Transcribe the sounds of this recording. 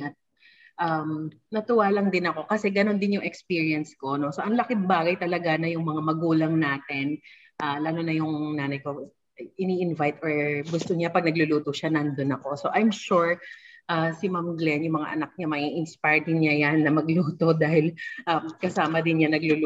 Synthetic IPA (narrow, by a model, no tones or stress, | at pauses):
ɐt̪̚ | ʔam | nɐt̪ʊwaːlɐŋd̪ɪnɐko̞kɐsɛɡɐno̞nd̪ɪnjʊŋɛkspiɹiɐnskono̞so̞ʔɐŋlɐkɪmbaːɡɐjt̪ɐlɐɡanɐjʊŋmɐŋamɐɡuːlɐŋnaːt̪ɪn | ʔaːlaːnonɐjʊŋnaːnɐjko̞ | ʔɪniːʔɪnvajt̪ʔoɹɡʊst̪oɲapɐɡ̚nɐɡlʊluːt̪oʃanɐnd̪onɐko̞so̞ʔajmʃuɹʔasɪmamɡlɛnjʊŋmɐŋa̰ʔɐ̰nɐk̚ɲamɐʔiʔɪnspajɹd̪ɪŋɲajanːɐmɐɡluːt̪o̞d̪aːhɪlʔamkɐsaːmɐd̪ɪnɲanɐɡlʊl